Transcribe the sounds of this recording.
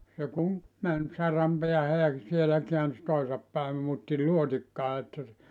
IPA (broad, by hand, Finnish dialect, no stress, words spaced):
se kuŋ mæn sɑrɑm peæhæ jɑ sielæ keæns toisɑp pæim muːtːi luotikːɑː etːæ se